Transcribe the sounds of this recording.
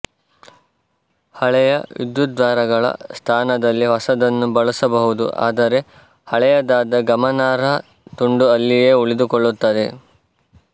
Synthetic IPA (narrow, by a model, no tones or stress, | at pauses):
hɐɭɛjɐʋḭd̪jut̪̚d̪ʋaːɾɐɡɐɭɐ̰st̪ʰaːnɐd̪ɐlːiɦɔsɐd̪ɐnːubɐɭusɐbɐɦud̪ṵʔa̰ːd̪ɐɾe̞ | hɐɭɛjɐd̪aːd̪ɐɡɐmɐnaːɾɐ | t̪uɳɖuɐlːijeːuɭid̪ukɔɭːut̪ːɐd̪e̞